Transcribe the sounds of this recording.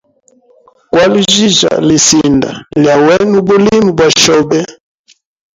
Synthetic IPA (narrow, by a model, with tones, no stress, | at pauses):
kwa˦li˦ʒi˦ʒa̰˨li˨si˨nda̰˨lja˨wɛ˦nu˦bu˦li˦mi˨bwa˨ʃɔ˦bɛ˦